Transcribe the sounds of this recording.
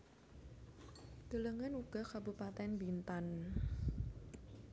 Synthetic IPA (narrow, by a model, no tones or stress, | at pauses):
d̪̥ələŋənuɡ̥ɔkabupat̪ɛnbint̪an